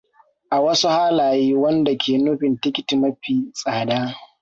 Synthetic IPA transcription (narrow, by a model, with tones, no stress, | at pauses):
ʔa˨wɐ˦su˦haː˦laː˨jiː˦wɐ˦nda˨kʲeː˨nʊ˦ɸɪ˨ntɪ˦kʲɪ˦ti˨mɐ˦ɸiː˨sʼaː˨daː˦